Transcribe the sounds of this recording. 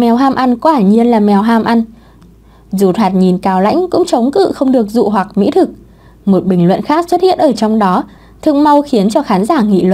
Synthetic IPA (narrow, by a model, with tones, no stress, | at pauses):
mɛ˨˩˦wɦaː˧mʔa˧nkwaː˧˩ɲi˧ənlaː˨˩mɛ˨˩wɦaː˧mʔa˧n | zu˨˩t̪ʰwaː˨˩t̚ɲi˨˩nkaː˨˦wla̰˧˥jŋ̟kʊ̰˧˥ŋ͡mt͡ɕə˨˦wŋ͡mkɨ̰˧˨xə˧wŋ͡mɗɨ˨˩ək̚zṵ˧˨ɦwa˨˩k̚mḭ˧˥t̪ʰɨ˨˩k̚ | mo˨˩t̚ɓï˨˩ŋ̟lwə̰˧˨nxaː˦˥k̚swə˦˥t̚hḭ˧˨ənʔəː˧˩t͡ɕɔ˧wŋ͡mɗɔ˨˦ | t̪ʰɨ̰˧˨ŋma˧wxi˨˦ənt͡ɕɔ˧xaː˨˦nzaː˧˩ŋḭ˧˨lwə̰˧˨